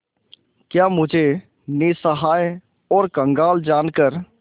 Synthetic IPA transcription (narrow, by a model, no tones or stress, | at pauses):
kjaːmʊd͡ʒʱe | nesəɦaːj | ɔːɾkə̃ŋɡaːld͡ʒaːnkəɾ